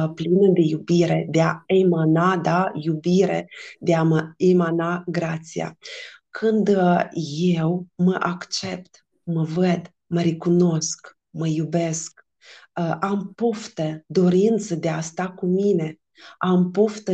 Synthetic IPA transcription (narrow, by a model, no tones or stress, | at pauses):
plinəd̪e̞jubiɾe̞d̪eaemanad̪ajubiɾḛd̪eaməemanaɡɾat̪sia̰kʰɨnd̪je̞wməʔakt͡ʃe̞p̚t̪ | məvəd̪ | məɾikuno̞sk | məjube̞sk | əʔampoft̪əd̪o̞ɾint̪səd̪east̪akumine̞ | ampoft̪ə